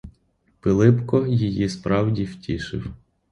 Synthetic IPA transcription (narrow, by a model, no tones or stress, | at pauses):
pɪlˠɪpkɔjijispɾɑwdʲiwtʲʰiʃɪ̰w